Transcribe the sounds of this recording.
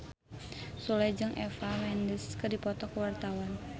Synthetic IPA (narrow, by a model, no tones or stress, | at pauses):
sulajd͡ʒɨŋʔɛfamɛndəskɨdipɔt̪ɔkwart̪awan